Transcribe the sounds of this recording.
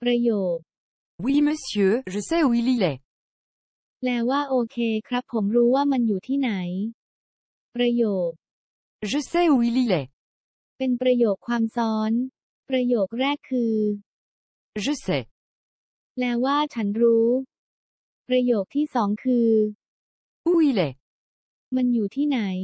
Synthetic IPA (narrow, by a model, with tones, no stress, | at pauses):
pɾa˧joː˨˩k̚ | wi˧mə˧sjø˧ʒə˧sɛ˥wi˧li˧lɛ˨˩ | lɛː˦˥wwaː˥˩ʔoː˧kʰeː˧kʰɾa˦˥pʰːo˩˦mɾuː˦˥waː˥˩ma˧njuː˨˩t̪ʰiː˥˩na˩˦j | pɾa˧joː˨˩k̚ | ʒə˧sɛ˥wi˧li˦˧lɛ˨ | pe˧npɾa˧joː˨˩kʰːwaː˧msɔː˦˥n | pɾa˧joː˨˩k̚ɾɛː˥˩kʰːɯː˧ | ʐɯ˦˥se˨˩ | lɛː˦˥wwaː˥˩t͡ɕʰa˦˥nɾuː˦˥ | pɾa˧joː˨˩k̚t̪ʰiː˥˩sɔː˩˦ŋkʰɯː˧ | u˧i˧˦le˨˩ | ma˧njuː˨˩t̪ʰiː˥˩na˩˦j